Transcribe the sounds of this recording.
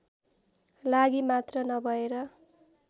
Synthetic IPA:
laɡimat̪rʌnʌbʱʌeɾʌ

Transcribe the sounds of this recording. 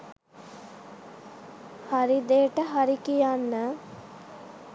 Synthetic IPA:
haɾid̪eːʈəɦaɾikijanːə

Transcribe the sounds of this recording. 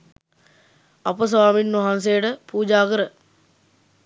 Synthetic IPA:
apəs̬ɐʋaːminːoɦans̬ejəʈəpuːd͡ʒaːkəɾə

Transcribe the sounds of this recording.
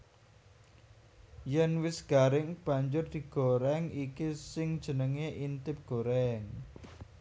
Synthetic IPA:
jɛnwɪsɡ̥aɾɪŋb̥a̤ɲd͡ʒʊrd̪̥i̤ɡ̥oɾɛŋikisɪŋd̥ʒ̥ə̤nəŋeʔint̪ɪp̚ɡ̥o̤ɾɛŋ

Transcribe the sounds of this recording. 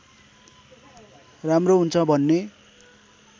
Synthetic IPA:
ramroɦunt͡sʰʌbʱʌnːe

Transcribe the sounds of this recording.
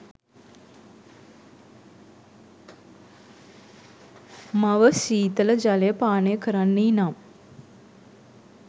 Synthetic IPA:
mɐʋəsiːt̪ɐlɐd͡ʒaleːpaːneːkʰəɾanːiːnam

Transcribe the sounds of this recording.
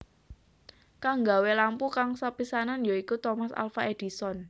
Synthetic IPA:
kaŋɡa̤welampukaŋsapisananjoikut̪ɔmasa̰lfaʔed̥i̤sɔn

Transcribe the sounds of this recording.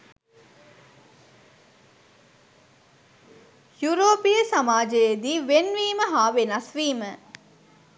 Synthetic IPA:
juɾoːpijəsamaːd͡ʒəjed̪iːʋenʋiːməɦaːʋenasʋiːmə

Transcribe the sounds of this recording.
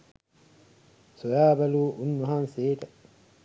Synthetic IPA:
sojaːbɐluːʔunːuɦanseːt̪ɐ

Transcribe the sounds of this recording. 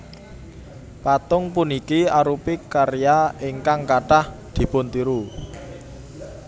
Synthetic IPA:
pat̪ʊŋpunikiaɾupɪkːaɾijaeŋkaŋkaɖ̥ahd̪̥i̤pʊnt̪iɾu

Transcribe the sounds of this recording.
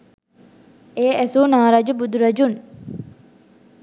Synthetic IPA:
eːʔæsuːnaːɾaːd͡ʒubud̪uɾɐd͡ʒun

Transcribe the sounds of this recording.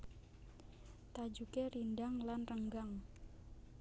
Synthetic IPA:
t̪ad͡ʒukerindaŋlanrəŋɡaŋ

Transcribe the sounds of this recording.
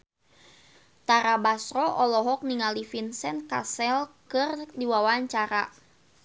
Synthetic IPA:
t̪aɾabasɾɔʔɔlɔɦɔk̚niŋalifinsɛnkasɛlkɨrdiwawaɲt͡ʃaɾa

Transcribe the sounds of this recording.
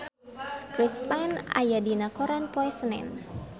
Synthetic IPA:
kɾispana̰jadinakoɾanpoɛsənɛ̰n

